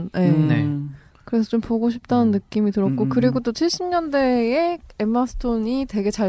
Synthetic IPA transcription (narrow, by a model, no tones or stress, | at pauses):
nje̞ne | kɯɾe̞sʰʌt͡ɕompoɡoɕ̬ʰip̚t͈anɯnːɯk͈imitɯɾʌt̚k͈okɯɾiɡot͈ot͡ɕʰiɭɕ͈imɲʌnde̞ee̞mːasʰɯ̥tʰoɲite̞ɡe̞t͡ɕa